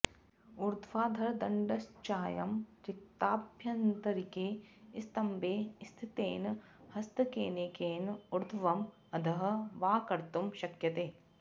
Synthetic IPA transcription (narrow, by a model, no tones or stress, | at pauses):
uɾd̪ʰʱʋaːd̪ʱɐɾd̪ɐɳɖɐst͡ʃaːjɐmt͡ʃɪk̚t̪aːbʱjɐnt̪ɐɾikeːist̪ɐmbeːst̪ʰit̪ḛːn | hɐst̪ɐkeːnekeːnuɾd̪ʰʱʋɐm | ɐd̪ʱɐɦɐ̆ʋaːkɐɾt̪umʃɐkjɐt̪eː